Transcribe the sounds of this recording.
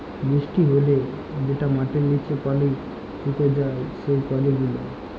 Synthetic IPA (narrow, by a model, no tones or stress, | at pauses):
bɾisʈiɦole | d͡ʒeʈamaʈeːit͡ʃʰekɔli | ʈuk̪ed͡ʒaesejkɔleɡulo̰